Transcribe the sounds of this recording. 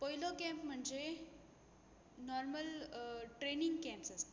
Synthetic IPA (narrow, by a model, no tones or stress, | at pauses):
pɔjlokɛ̃mpm̤əɳd͡ze | nɔɾməlʈɾeniŋɡkɛ̃mpsast̪e